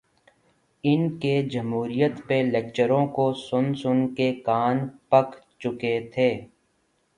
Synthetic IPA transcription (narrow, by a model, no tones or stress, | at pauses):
ɪnked͡ʒɐmɦuːɾijət̪peleːk̚t͡ʃəɾõkosʊnsʊnkekaːnpəkt͡ʃʊket̪ʰeː